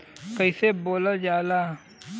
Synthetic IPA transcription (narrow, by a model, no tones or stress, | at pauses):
kəiseːboːlad͡ʒaːlaː